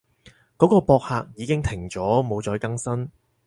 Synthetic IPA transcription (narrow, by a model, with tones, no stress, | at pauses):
kɔː˨˥kɔː˧pɔː˧k̚haː˧k̚jiː˨˧kɪ˥ŋt̪ʰɪ˨˩ŋt͡ʃɔː˨˥mo˨˧wt͡ʃɔː˨˧jkɐ˥ŋsɐ˥n